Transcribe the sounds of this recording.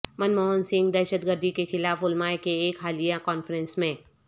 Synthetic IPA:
mɐnmɔːonsɪ̃ŋɡd̪ɛːʃəd̪ɡəɾd̪ʱikexɪlaːfʊlmaːekeeːkɦaːlijakɔːnfəɾə̃nsmẽ

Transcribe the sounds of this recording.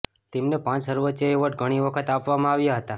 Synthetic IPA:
t̪emnepãt͡ʃsəɾʋətːəeʋəʈ̚ɡʱəɽ̃iʋəkʰət̪apʋamãaʋjaɦət̪a

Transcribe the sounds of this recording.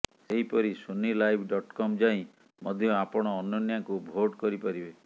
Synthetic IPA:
seɦipɔɾisonilajbʱɖɔʈkɔmd͡ʒaĩ | mɔd̪ʱjɔapɔɽ̃ɔːnɔnjakubʱoɖkɔɾipaɾibe

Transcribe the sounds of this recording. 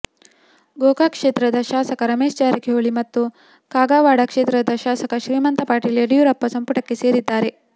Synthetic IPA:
ɡoːɡaːkʂeːt̪ɾɐd̪ɐʃaːsɐkɐɾɐmeːʃt͡ʃaːɾɐkʰeoɭimɐt̪ːu | kaːɡaːʋaːɽɐkʂeːt̪ɾɐd̪ɐʃaːsɐkɐʃɾiːmɐnt̪ɐpaːʈilɐɽijuɾɐpːɐsɐmpuʈɐkːeseːɾid̪ːaːɾe

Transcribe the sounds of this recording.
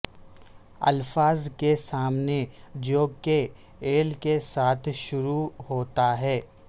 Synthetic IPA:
ɐ̰lfaːzkesaːmned͡ʒoːke | eːlkesaːt̪ʰʃʊɾuɦoːt̪aɦɛː

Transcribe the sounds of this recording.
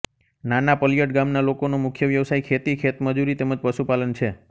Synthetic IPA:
nanapəlijəʈɡamnalokonomʊkʰjəʋjəʋsaikʰet̪ikʰet̪məd͡ʒuɾit̪eməd͡ʒpəʃupalənt͡ʃʰe

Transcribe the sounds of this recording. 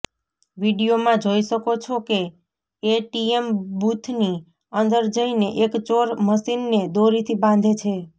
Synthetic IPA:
ʋiɖijomãd͡ʒoiʃəkot͡ʃʰoke | eʈiembut̪ʰni | ənd̪əɾd͡ʒəineʔekt͡ʃoɾməsinːed̪oɾit̪ʰibãnd̪ʱet͡ʃʰe

